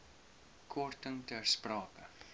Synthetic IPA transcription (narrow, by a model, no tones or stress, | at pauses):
kʰɔrtəŋtæːrsprɑːkə